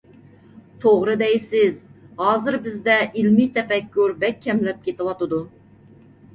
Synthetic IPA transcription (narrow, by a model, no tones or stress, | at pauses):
t̪ʰoʁɾɨd̪ɛjsɪzhɑːzɨɾbɪzd̪ɛʔilmit̪ʰɛpɛkʲːyɾbɛkʲʰːɛmlɛp̚kʲet̪ɪwɑt̪ɨd̪u